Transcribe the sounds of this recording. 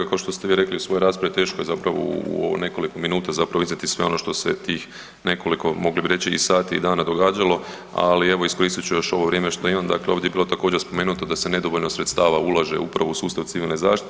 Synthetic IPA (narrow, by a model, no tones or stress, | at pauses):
akaoʃt̪o̞st̪eʋiːɾe̞kliusʋo̞joɾaːspɾaʋit̪e̞ːʃkojezapɾaʋo̰oo̰ne̞ko̞likominuːt̪azapɾaʋizat̪isʋe̞o̞no̞ʃt̪o̞set̪iːx | ne̞ko̞liko̞mo̞ɡlibiɾe̞t͡ɕiḭsaːt̪iːd̪aːnad̪o̞ɡaːd͡ʒalˠo̞ | a̰lieʋo̞isko̞ɾiːst̪it͡ʃujo̞ʃo̞ʋoʋɾjeːmeʃt̪ojimamd̪a̰kleoʋd̪jebiːlo̞t̪akoːd͡ʑeɾspo̞me̞ːnut̪od̪ase̞ne̞d̪o̞ʋoʎnosɾet̪st̪aːʋaulˠaʒe̞̰ʔupɾaʋousuːst̪aʋt̪siʋilˠnezaːʃt̪i̥t̪